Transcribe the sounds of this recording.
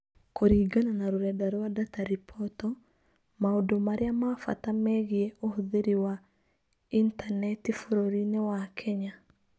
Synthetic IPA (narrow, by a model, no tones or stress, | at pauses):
koɾiɡananaɾuɾɛdaɾɔwadataɾipʰɔtɔ | maodomaɾjamafa̰tamɛɣjeohuðiɾiwa | intanɛtifoɾoɾinewakʰɛɲa